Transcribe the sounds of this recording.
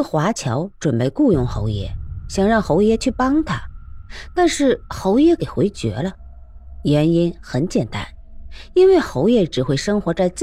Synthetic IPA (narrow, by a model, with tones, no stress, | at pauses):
xwa˧˥t͡ɕʰjɑ˧˥ʊʈ͡ʂwə˨˩npe˥˧ɪku˥˧jʊ˥˩ŋxo˧˥ʊjɛ̰˥˩ɕjɑ˨˩ŋɻɑ˥˩ŋxo˧˥ʊjɛ˥t͡ɕʰy˥˩pɑ˥ŋt̪ʰa˧˥t̪a˥˧nʂɻ̩˥˩xo˧˥ʊjɛ˥ke˨˩ɪxwe˧˥ɪt͡ɕɥɛ̰˧˥lə˧ | jɛ˧˥ni˥nxə˧˥nt͡ɕjɛ˨˩nt̪a̰˥n | i˥nwe˥˩ɪxo˧˥ʊjɛ˥˩ʈ͡ʂɻ̩˨˩xwe˥˩ɪʂɤ˥ŋxwɔ˧˥t͡sa˥˧ɪt͡s